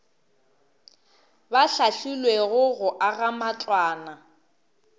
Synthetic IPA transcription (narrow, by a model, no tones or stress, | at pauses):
baɬaɬulweɣʊɣʊʔaɣamat͡ɬʼwaːna